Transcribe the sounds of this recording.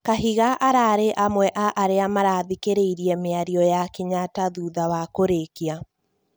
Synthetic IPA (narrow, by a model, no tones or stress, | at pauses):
kaɦiɣaʔaɾaɾeʔamwɛʔaʔaɾeamaɾaðikeɾeiɾiɛmeaɾiɔjakeɲataðuðawakoɾekia